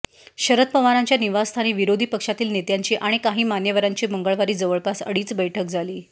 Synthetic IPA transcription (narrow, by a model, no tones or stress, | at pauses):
ɕəɾət̪̚pəmaɾaɲt͡ɕjaniʋasst̪ʰañiːʋiɾod̪ʱiːpəkʂat̪iːlnet̪jaɲt͡ɕiːʔaɽ̃ikaɦiːmanjəʋəɾaɲt͡ɕiːməŋɡəɭʋaɾiːd͡zəʋəɭkasə̰ɽiːt͡sbəjʈʰəkd͡zʱaliː